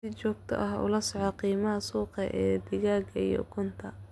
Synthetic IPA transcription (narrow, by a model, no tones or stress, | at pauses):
sɪt͡ʃɔːɡ̚t̪ʰɐ̰ʔɐɦʊ̰lɐsɔʕɔqiːmɐɦɐsuːqɛʔɛːd̪ɪɣaːɡɐijɔ̰kʰʊnt̪ʰɐ